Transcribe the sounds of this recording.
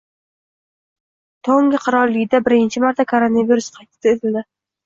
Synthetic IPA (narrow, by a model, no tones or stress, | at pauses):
t̪ʰoŋɡʲɪqʰɨɾɒɾlːɪɡʲɪd̪abɪɾɪnt͡ʃʰɪmaɾt̪ʰakʰoɾonaviɾusqʰɑjt̪ʰɪ̥t̪ʰaet̪ʰɪld̪ɪ